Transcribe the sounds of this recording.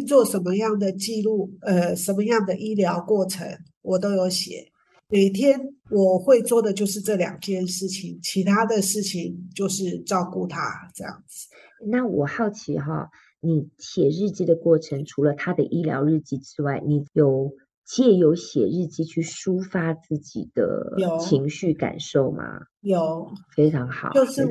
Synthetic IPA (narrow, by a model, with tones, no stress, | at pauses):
t͡swɔ˥˩ʂə˨˧˦nmə˧jɑ˥˩ŋd̪ə˩t͡ɕi˥˧lu˥˩ə˧ʂə˨˥nmə˧jɑ˥˩ŋd̪ə˨ʔi˥ljɑ˧˥ʊkwɔ˥˩ʈ͡ʂʰə̰˧˥ŋ | wɔ˨˩t̪o˥ʊjo˧˥ʊɕjɛ̰˨˩˦ | me˨˩ɪt̪ʰjɛ˥nwɔ˨˩xwe˥˧ɪt͡swɔ˥˩d̪ə˩t͡ɕjo˥˧ʊʂ̬ɻ̩˥˧ʈ͡ʂɤ˥˩ljɑ̰˨˩ŋt͡ɕjɛ˥˧nʂɻ̩˥˩t͡ɕʰi˨˩ŋt͡ɕʰi˧˥t̪ʰa˥d̪ə˨ʂɻ̩˥˩t͡ɕʰi˨˩ŋt͡ɕjo˥˧ʊʂɻ̩˥˩ʈ͡ʂɑ˥˧ʊku˥˩t̪ʰa̰˥ʈ͡ʂɤ˥˧jɑ̰˥˩ŋd͡zɹ̩˩ | na˥˩wɔ˨˩xɑ˥˩ʊt͡ɕʰi˧˥ɦɔ̰˥˩ | ni˨˩ɕjɛ˨˩ɻɻ̩˥˧t͡ɕi˥˩d̪ə˨kwɔ˥˩ʈ͡ʂʰə˧˥ŋʈ͡ʂʰu˧˥lə˧t̪ʰa˥d̪ə˨ʔi˥ljɑ̰˧˥ʊɻɻ̩˥˧t͡ɕi˥ʈ͡ʂɻ̩˥wa˥˩ɪni˨˩jo˨˩ʊ | t͡ɕjɛ˥˩jo˧˥ʊɕjɛ̰˨˩ɻɻ̩˥˩t͡ɕi˥t͡ɕʰy˥˩ʂu˥fa˥t͡sɹ̩˥˩t͡ɕḭ˨˩d̪̥ə̰˦jo˨˩˦t͡ɕʰi˧˥ŋɕy˥˩ka̰˨˩nʂo˥˨˩ʊma̰˨˩ | jo˨˩ʊfe˥ɪʈ͡ʂʰɑ˧˥ŋxɑ˨˩˦t͡ɕo˥˧ʊʂɻ̩˥˧˩